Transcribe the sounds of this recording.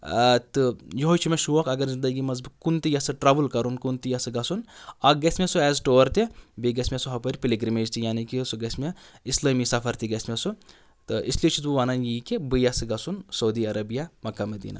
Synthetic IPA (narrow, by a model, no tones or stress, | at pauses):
t̪ɨjoɦot͡ʃʰimeʃuʋɐkɐɡɐɾzind̪ɐɡimɐzbɨkunt̪ijɐsɨʈɾabɨlkɐɾunkunt̪ijɐsɨɡɐsunaɡɐsʲmesuɛːzʈoːɾt̪ibiɡɐsʲmʲesuɦɐpɐɾʲipiliɡɾimeːd͡ʒt̪ijaːnikisuɡɐsʲmeislɐmisɐpʰɐɾt̪iɡɐsmesu | t̪ɨislet͡ʃʰit̪buʋaːnanjiːkibɨjasɨɡɐsunsɐwd̪iɐɾɐbijamɐkːamɐd̪ḭːna̰